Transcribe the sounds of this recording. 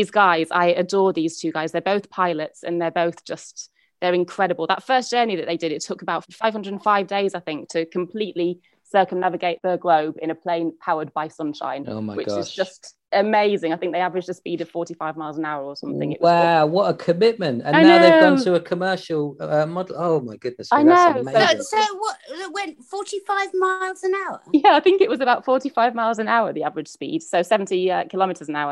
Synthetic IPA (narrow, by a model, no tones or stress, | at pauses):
iːzɡaɪza̰ɪədɔːðiːz̥tʰʉːɡaɪzðəboʊθpʰaɪlətsə̰̃nðəboʊθd̥ʒ̥ʌst | ðəɹɪ̃nkʰɹ̥ɛɾəbəlˠðətfɜˑsd̥ʒ̥ɜːniðəʔðeɪdɪdɪtʰʊkəbaʊtfəfaɪv̥ʌ̃ndɹədən̩faɪvdeɪzaɪθɪ̃ŋk̚tʰəɨkʰə̃mpʰl̥iˑʔli | sɜˑkə̃mnavɪɡeɪʔ̚ðəɡləʊbɪ̃ñəpʰl̥ẽɪ̃npʰaʊəd̚baɪsʌ̃nʃã̰ɪ̃no̰ʊmaɪwɪt͡ʃɪzʃd͡ʒʌst | əmeɪzɪ̃ŋaɪθɪ̃ŋk̚ðiavəɹɪd͡ʒəspiːdəv̥fɔˑtifaɪvmaɪlˠzə̃naʊəɹəsʌ̃mθɪ̃ŋɪʔwawʌtəkʰəmɪt̚mɨ̃ntə̰̃naɪʊðeɪʊʌ̃ntʰəəkʰəmɜˑ˞ʃl̩ˠʌmɒdl̩ˠoʊmaɪɡ̥ʊdⁿnɨsaɪnoʊʊesoʊwʌʔɪʔwɛ̃ntfɔˑtifaɪvmaɪlˠzə̃naʊə̰jæaɪθɪ̃ŋkɪʔwɒzəbaʊtfɔˑtifaɪvmaɪlˠzə̃naʊəðiavəɹɪd̥ʒ̥spḭːd̥soʊsɛvə̃ntiʌkʰɪlɒmɪtʰəzə̃naʊə